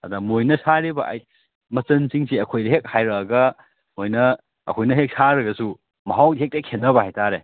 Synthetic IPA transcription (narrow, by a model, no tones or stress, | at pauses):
ɐdɐmojnɐsaɾibɐ̰ʔa̰j | mɐt͡ʃɐnsiŋsiɐkʰojdɐɦek̚hajɾɐːɡɐ | mojnɐ | ɐ̰kʰojnɐɦek̚saɾɐɡɐsu | mɐɦawɦek̚tekʰːenːɐbɐhajtaɾe